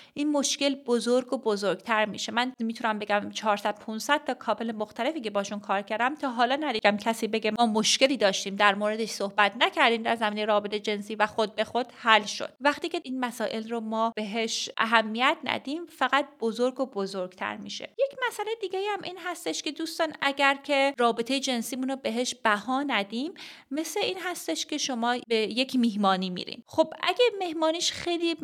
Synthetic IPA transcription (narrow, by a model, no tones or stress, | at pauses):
ʔiːnmo̞ʃce̞lbozoɾɡobozoɾɡt̪ʰæɾmḭːʃemænmit̪ʰunæmbe̞ɡæmt͡ʃʰɒːɾsæd̪̥̚pʰunsæd̪̥̚t̪ɒːkʰɒːpelemoxt̪ʰæle̞fiːcebɒːʃunkʰɒːɾcʰæɾd̪æmt̪ʰɒːɦɒːlɒːnæd̪iːɡæmcʰæsiːbe̞ɟe̞ɒːmoʃce̞liːd̪ɒːʃt̪iːmd̪æɾmoːɾed̪e̞ʃsohbæt̪ʰnæcʰæɾd̪iːmd̪æɾzæmiːnejɾɒːbe̞t̪ʰed͡ʒe̞nsiːvæxod̪̚be̞xod̪̥hælʃo̰d̪̥væχt̪iːce̞iːnmæsɒːʔe̞lromɒːb̥e̞ɦeʃʔæ̰ɦæmːijæt̪ʰnæ̰d̪iːmfæɣæt̪̚b̥ozoɾɡobozoɾɡ̥t̪ʰæ̰ɾmḭʃe̞̰je̞cʰmæsælejed̪iːɡeiæmʔiːnɦæst̪eʃke̞d̪uːst̪ɒːnæɟæɾcʲʰe̞rɒːbet̪ʰejed͡ʒe̞nsiːmunobe̞ɦeʃb̥æhɒːnæd̪iːmːe̞sleiːnɦæst̪eʃcʲʰe̞ʃo̞mɒːbeje̞cʰmiɦmɒːniːmḭɾḭmxo̞bæ̰ɟʲemehmɒːniːʃxejliː